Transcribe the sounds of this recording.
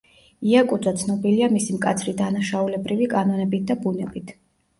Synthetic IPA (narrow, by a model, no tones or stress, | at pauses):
iakʼud̪zat̪sʰnɔbiliamisimkʼat̪sʰɾid̪anaʃaulɛbɾivikʼanɔnɛbit̪̚ʰd̪abunɛbit̪ʰ